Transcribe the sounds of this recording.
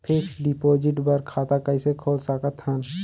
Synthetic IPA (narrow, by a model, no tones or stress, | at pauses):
pʰeksɖipoːd͡ʒɪʈbəɾkʰaːt̪akəɪsekʰoːlsakət̪hən